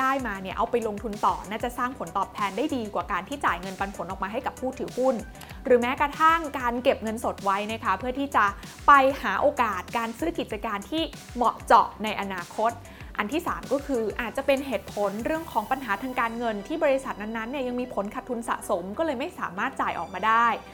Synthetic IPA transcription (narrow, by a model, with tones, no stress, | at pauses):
aː˥˩jmaː˧ni˥˩ɐʔa˧wpa˧jlo˧ŋt̪ʰu˧nt̪ɔː˨˩naː˥˩t͡ɕa˨˩saː˥˩ŋpʰo˩˦nt̪ɔː˨˩p̚t̪ʰɛː˧ndaː˥˩jdiː˧kwaː˨˩kaː˧nt̪ʰiː˥˩t͡ɕaː˨˩jŋɤ˧npa˧npʰo˨˩˦nʔɔ˨˩kmaː˧ɦa˥˩jka˨˩pʰuː˥˩t̪ʰɯː˨˦hu˥˩n | ɾɯː˩˦mɛː˦˥kɾa˧t̪ʰa˥˩ŋkaː˧nke˨˩p̚ŋɤ˧nso˨˩t̪̚wa˦˥jna˦˥kʰa˦˥pʰɯ˥˩ɐt̪ʰiː˥˩t͡ɕa˨˩ | pa˧jhaː˩˦ʔoː˧kaː˨˩t̪̚kaː˧nsɯː˦˥ki˨˩t̪̚t͡ɕa˧kaː˧nt̪ʰiː˥˩ | mɔ˨˩t͡ɕɔ̰˨˩ʔna˧jʔa˧naː˧kʰo˦˥t̪̚ | ʔa˧nt̪ʰiː˥˩saː˩˦mkɔː˥˩kʰɯː˧ʔaː˨˩t̪̚t͡ɕa˨˩pe˧nɦeː˨˩t̪̚pʰo˨˩˦nɾɯ˥˩əŋkʰɔː˩˦ŋpa˧nɦaː˩˦t̪ʰaː˧ŋkaː˧nŋɤ˧nt̪ʰiː˥˩bɔː˧ɾi˧sa˨˩t̪̚na˧nːa˦˥nːi˥˩ɐja˧ŋmiː˧pʰo˩˦nkʰa˨˩t̪ʰːu˧nsa̰˨˩so˩˦mkɔː˥˩lɤː˧jma˥˩jsaː˩˦maː˥˩t̪̚t͡ɕaː˨˩jʔɔ̰ː˨˩k̚maː˧daː˥˩j